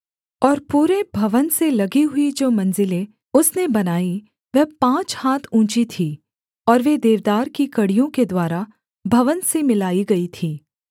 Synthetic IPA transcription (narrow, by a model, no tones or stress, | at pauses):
ɔːɾpuːɾebʱɐʋənselɐɡiɦʊid͡ʒoːmɐ̃nzɪlẽ | ʊsnebɐnaːi | ʋɛɦpãːt͡ʃhaːt̪ʰũːt͡ʃit̪ʰiː | ɔːɾʋed̪eːʋd̪aːɾkikɐɽijõked̪waːɾa | bʱɐʋənsemɪlaːiɡɐit̪ʰiː